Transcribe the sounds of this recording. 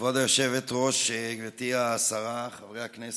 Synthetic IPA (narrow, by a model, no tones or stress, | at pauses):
vod̪ajoʃevet̪ʁo̞ʃvet̪iaːsaʁaχavʁejhaknes